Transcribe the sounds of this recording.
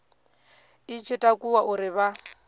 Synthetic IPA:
it͡ʃʰɪtʼakʼuwaʔuɾɪβa

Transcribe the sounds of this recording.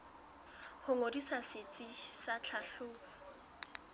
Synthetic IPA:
hʊŋodisaset͡sʼisat͡ɬʰaɬʊːla

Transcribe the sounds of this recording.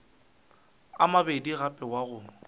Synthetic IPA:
amabediɣapʼɛwaɣʊ

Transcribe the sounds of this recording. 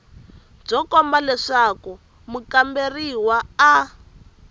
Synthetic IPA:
b͡ʐɔkɔmbalɛʂaku | mukamberiwaː

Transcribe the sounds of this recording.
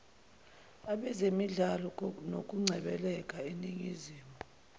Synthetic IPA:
aɓɛzemiɮalɔnok̬ʼuŋ͡ǀʱɛɓɛlɛk̬ʼaeniŋiziːmʱu

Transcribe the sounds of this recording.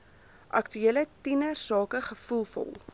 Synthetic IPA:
ʔɐ̰ktyiələtinərsɑːkəχəfulˠfɔ̰lˠ

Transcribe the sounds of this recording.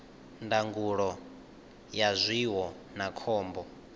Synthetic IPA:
ndaŋɡuɺɔ | jazʷiwɔ | nakʰɔːmbɔ

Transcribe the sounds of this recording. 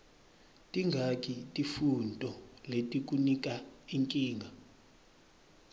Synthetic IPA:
tʼiŋɡʱakʼitʼifuntʼɔletʼik̬ʼunik̬ʼaiŋkʼiːŋɡʱa

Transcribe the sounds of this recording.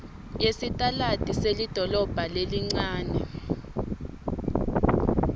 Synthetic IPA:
jesitʼalatʼiselid̥ʱɔlɔb̥ʱaleliŋ͡ǀaːnɛ

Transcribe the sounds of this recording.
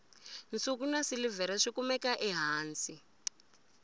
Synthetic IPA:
nt͡sʼuk̬unasilivɛɾɛʂikumɛkaʔɛɦaːnt͡sʼi

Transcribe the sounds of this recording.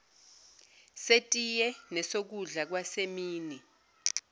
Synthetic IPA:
setʼijɛnɛsok̬uɮak̬wasemiːni

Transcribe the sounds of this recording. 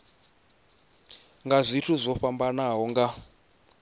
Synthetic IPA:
ŋɡazʷitʰuzʷɔɸambanaɦɔŋɡa

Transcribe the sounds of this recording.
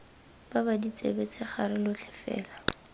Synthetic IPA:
b̥abadit͡sʼḛbet͡sʰɪχarɪlʊt͡ɬʰɪ̥fɛ̰ːla

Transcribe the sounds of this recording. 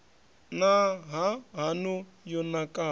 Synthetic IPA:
naɦaɦanu | jɔnakʼa

